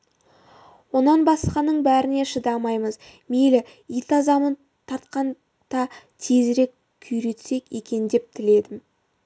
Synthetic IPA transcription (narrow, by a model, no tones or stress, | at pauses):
wonɑnbɑsqɑnːəɴbæɾɪne̞ʃəd̪ɑmɑjməzmelɪ | ijt̪ɑzɑmən | t̪ʰɑɾt̪qɑn | d̪̥ɑt̪ʰe̞zɾe̞kʲʰʏjɾe̞t̪se̞ke̞kʲe̞nd̪e̞p̚t̪ʰɪle̞d̪ɪm